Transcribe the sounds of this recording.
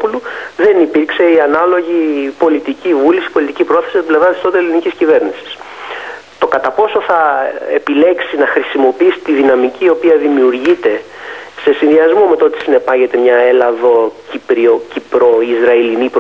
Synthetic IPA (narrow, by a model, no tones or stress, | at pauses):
puluðe̞nipiɾkse̞iɐnɐlo̞ʝipo̞lit̪icivulisi̥po̞lit̪icipɾo̞θe̞sist̪ible̞vɾɐt̪ist̪o̞t̪eliniciscive̞ɾnisi̥s | t̪o̞kɐt̪ɐpo̞so̞θɐepile̞ksinɐxɾisimo̞piisi̥t̪iðinɐmiciːo̞piɐðimiuɾʝit̪e̞se̞sinðiɐzmo̞me̞t̪ot̪i̥sine̞pɐʝe̞t̪emɲɐe̞lɐðo̞cipɾiocipɾo̞izɾɐilinip